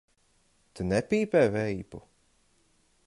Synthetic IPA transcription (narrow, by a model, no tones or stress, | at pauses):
t̪ɨnɛpʲiːpɛːvɛipu